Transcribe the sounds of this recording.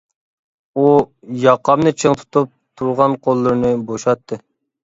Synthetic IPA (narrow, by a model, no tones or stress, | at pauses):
u | jɑqʰːɑmnɨt͡ʃʰəŋt̪ʰu̥t̪up̚t̪ʰuɾʁɑnqʰolˠːɨɾnɨboʃɑt̪ʰːɨ